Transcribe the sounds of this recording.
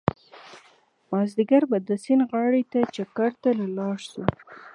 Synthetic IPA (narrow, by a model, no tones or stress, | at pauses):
mɑzd̪ɪɡaɾbad̪əsɪnɣɑɽet̪at͡ʃakaɾt̪alalɑʂsu